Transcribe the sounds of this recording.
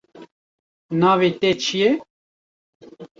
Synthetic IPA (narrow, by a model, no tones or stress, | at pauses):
nɑːvet̪et͡ʃʰijɛ